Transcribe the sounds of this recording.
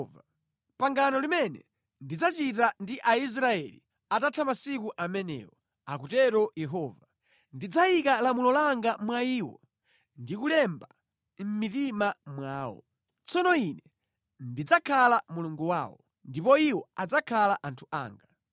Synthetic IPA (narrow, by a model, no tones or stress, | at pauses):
va | paŋɡanɔlimɛnɛ̰ | ndid͡zat͡ʃitandiʔais̬ɾaɛlḭ | atatʰamasikuʔamɛnɛ̰ːwɔ | akutɛɾɔjɛɦɔːva | ndid͡zaikalamulɔlaŋɡamwaiːwɔ̰ | ndikulɛmba | m̩mitimamwaːwɔ̰ | t͡sɔnɔinɛ | ndid͡zakʰalamuluŋɡuwaːwɔ | ndipɔiwɔad͡zakʰalaʔantʰu̥ʔa̰ːŋɡa